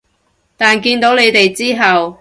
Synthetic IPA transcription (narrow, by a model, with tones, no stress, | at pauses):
t̪aː˨nkiː˧nt̪o˨˥wle˨˧jt̪e˨jt͡siː˥ɦɐ˨w